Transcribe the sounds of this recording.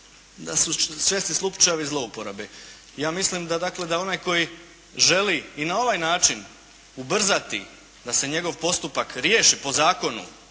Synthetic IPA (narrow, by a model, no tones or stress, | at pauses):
d̪asusjest̪islˠupt͡ʃajeʋizlˠo̞upo̞ɾabe | jaːmislimd̪ad̪akle̞d̪ao̞najko̞ji | ʒe̞liːnao̞ʋajnaːt͡ʃin | ubr̩zat̪ḭ | d̪ase̞ɲe̞ɡo̞ʋpo̞st̪upakɾje̞ːʃipo̞zaːko̞nṵ